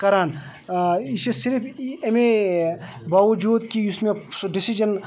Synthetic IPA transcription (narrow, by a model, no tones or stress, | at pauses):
kɐɾaːn | isesiɾpʰeme | baːʋɐd͡ʒuːd̪kiʊsmẽɖisid͡ʒən